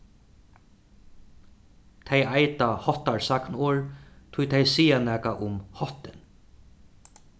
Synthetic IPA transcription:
t̪ʰɛjajt̪ahɔht̪aɹsaknoːɹt̪ʰʊjt̪ʰɛjsiːjanæːkaʔʊmhɔht̪ɪn

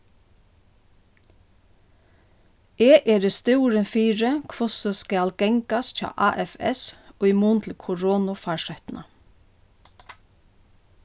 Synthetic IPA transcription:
eːʔeːɾəst̪ʉːɾənfiːɹəkʰʋʊsəskæːlɡ̥ɛŋkasc͡çɑ̰ːʔɑːʔɛfɛ̰soːimuːnt̪ʰl̩kʰʊɾoːnʊfɑːʃœt̪nʔɑ̰

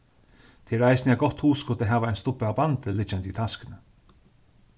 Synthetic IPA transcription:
t̪ʰɪɾæɪsnɪaɡɔt̪huːskʊt̪əɦaːʋaɛɪnst̪ʊpəabant̪əlɪd͡ʒand̪iːt̪ʰaskənə

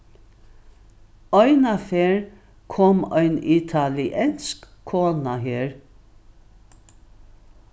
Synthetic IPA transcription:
ɔʏnafeːɹ | kʰɔmœʏnit̪ʰalɪʔɛnskkʰoːnaɦeːɹ

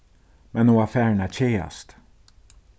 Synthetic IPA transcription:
mɛnuafɛɹnat͡ʃʰeːa̰st̪

